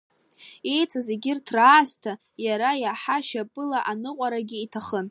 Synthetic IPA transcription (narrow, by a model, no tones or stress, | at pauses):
ejt͡sʼazeɡʲɪrtʰraːstʰa | jaɾajaħaʃapʼɨlaʔanɨqʷʼaɾaɡʲiːtʰaχən